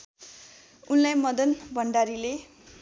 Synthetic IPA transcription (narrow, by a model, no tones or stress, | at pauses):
unlajmʌd̪ʌnbʱʌɳɖaɾile